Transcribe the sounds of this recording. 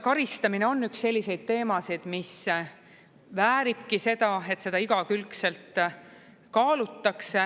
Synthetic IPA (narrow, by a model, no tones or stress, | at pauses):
kɑɾist̪ɑmine̞o̞nːyksːe̞lʲːise̞jd̪̥̚t̪e̞ːmɑsid̪̥mis | væːɾib̥kise̞d̪̥ɑe̞t̪se̞d̪̥ɑiɡ̥ɑkylkse̞lt̪ˑ | kɑːlut̪ːɑkse